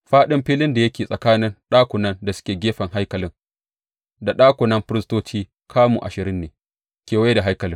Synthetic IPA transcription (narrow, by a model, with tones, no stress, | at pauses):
ɸaː˦ɗɪ˦mɸiː˦lɪ˦nda˨jɐ˦kʲeː˨sʼɐ˨kaː˦nɪ˦nɗaː˦kʷʊ˨nɐ˦nda˨sʊ̥˦kʲeː˨ɡʲeː˦ɸɐ˨ŋɦa˦jkɐ˨lɪ˦ŋ | da˨ɗaː˦kʷʊ˨nɐ˦mɸɪ˦ɾɪ˦stoː˦t͡ʃiː˦ | kʰaː˦mṵ˨ʔa̰˨ʃɪ˨ɾɪ˦nːeː˨ | kʲeː˨wa˦da˨ɦa˦jkɐ˨lɪ˦ŋ